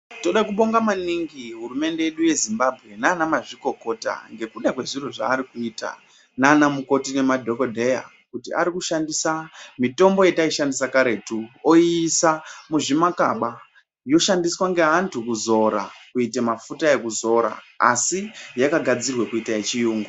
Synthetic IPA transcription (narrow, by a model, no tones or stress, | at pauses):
to̞ɗakuɓo̞ŋɡamaniŋɡiɦurume̞nde̞jeɗuje̞zimbabʱɣe̞nanamaʐiko̞ko̞ta̰ŋɡe̞kuɗakwe̞ʐiroʐa̰ːɾikuiːta̰ | nanamuko̞tine̞madʱo̞ko̞dʱe̞ja̰ | kutia̰ɾikuʃandisamito̞mbo̞je̞taiʃandisakaɾe̞tuoiːsamuʐimaka̰ɓa | jo̞ʃandiswaŋɡe̞ɦantʰukuzo̞ɾa̰kuitemafutae̞kuzo̞ɾa̰ | a̰sijakaɡʱad͡zirwe̞kuitaet͡ʃijuːŋɡu